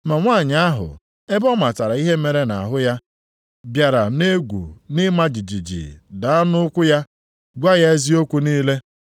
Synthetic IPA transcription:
ma˨ŋʷa˦˨ɲ˨˦a˦ɦʊ̰˨ | e˦bɔ˦ma˨ta˨ɾa˨˦i˦ɦe˦me˨ɾe˦na̰˨ɦʊ˦ja˦ | bja˨ɾa˨ne˦ɡʷṵ˨nɪ˦ma˦d͡ʒi˨d͡ʒi˨d͡ʒḭ˨da˨a˦nʊ˦ʊ˦kʷʊ˦ja˦ | ɡʷa˦ja˦e˦zi˦o˦kʷu˦niː˦le˦

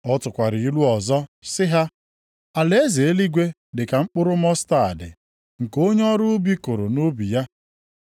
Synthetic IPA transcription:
ɔ˦tʊ˨kʷa˨ɾɪ˨i˦lu˦ɔ˨zɔ˦sɪ˦ɦa˦ | a˨le˦ze˨e˦li˦ɡʷe˦ | dɪ˨ka˨ŋ͡m̩˦k͡pʊ˦ɾʊ˦mɔ˦sta˦˨a̰˨dɪ̰˨ | ŋ̩˨ko˦ɲe˦ɔ˦ɾʊ˦bi˦kʊ˨ɾʊ̰˨nu˦bi˨ja˦

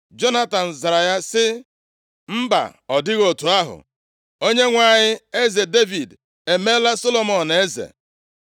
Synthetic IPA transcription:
d͡ʒo˦na˦ta˨n̩˨za˨ɾa˨ja˦sɪ˦ | m̩˦ba̰˨ɔ˨dɪ˦ɣo˨tu˨a˦ɦʊ̰˨ | o˦ɲe˦ŋʷa˨ɲɪ˦e˦ze˨de˦vi˨d | e˨me˦la˦so˦lo˨mɔ˨n˨e˦zḛ˨

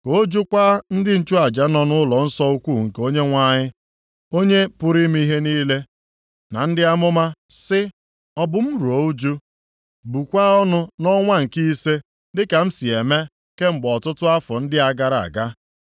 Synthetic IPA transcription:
ko˦d͡ʒu˦kʷaː˦n̩˦dɪ˦n̩˦t͡ʃu˦a˨d͡ʒa˨nɔ˦nʊ˦lɔ˨n̩˦sɔ˦u˦kʷu˦˨ŋ̩˨ko˦ɲe˦ŋʷa˦ɲɪ˦ | o˦ɲe˦pʊ˦ɾi˦m˦i˦ɦe˦niː˦le˦ | na˨n̩˦dɪ˦a˦mʊ˦ma˦sɪ˦ | ɔ˦bʊ˨m̩˦ɾu˨o˨u˦d͡ʒu˦ | bu˨kʷa˦ɔ˦nʊ˦nɔ˦ŋʷa˦ŋ̩˨ki˦se˦ | dɪ˦ka˨m̩˦si˨e˨me˦ | ke˦ŋ͡m̩˨ɡ͡bɔ˨tʊ˦tʊ˦a˦fɔ˨n̩˦dɪ˦a˨ɡa˦ɾa̰˨ɡa˦

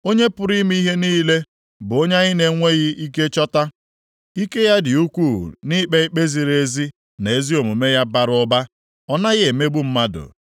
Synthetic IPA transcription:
o˦ɲe˦pʊ˨ɾi˦mi˦i˦ɦe˦niː˦le˦ | bʊ˨o˦ɲa˦ɣɪ˦ne˨ŋʷe˦ɣɪ˦i˦ke˦t͡ʃɔ˦ta˦ | i˦ke˦ja˦dɪ˨u˦kʷu˦˨ni˦k͡pe˦i˦k͡pe˦zi˨ɾe˦zi˦ | ne˨e˦zi˦o˨mu˨me˦ja˦ba˨ɾʊ˦ba˦ | ɔ˦na˦ɣɪ˦e˨me˦ɡ͡bu˦m̩˦ma˦dʊ̰˨

